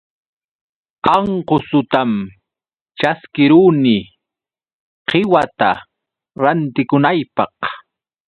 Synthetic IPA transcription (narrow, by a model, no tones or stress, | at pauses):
ɑɴqosʊt̪am | t͡ʃaskɪɾuːnɪ | qɪwat̪a | ɾant̪ɪkʊnajpɑq